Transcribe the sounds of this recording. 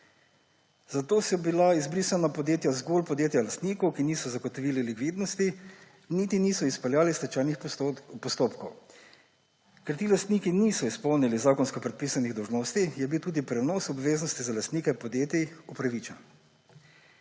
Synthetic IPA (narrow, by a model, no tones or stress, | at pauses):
zat̪oːsɔbilaizbɾiːsanapɔd̪jeːt̪jazɡolpɔd̪jeːt̪jalast̪niːkɔwkiniːsɔzaɡɔt̪ɔʋiːlilikʋiːd̪nɔst̪i | niːt̪iniːsɔispɛljaːlist̪ɛt͡ʃaːjnixpɔst̪oːpkɔw | kɛɾt̪iːlast̪nikiniːsɔispɔwnilizaːkɔnskɔpɾɛt̪̚piːsaniɣd̪ɔwʒnoːst̪ijɛbiwt̪uːd̪ipɾɛnɔːsɔbʋeːznɔst̪izalast̪niːkɛpɔd̪jeːt̪iupɾaʋit͡ʃɛn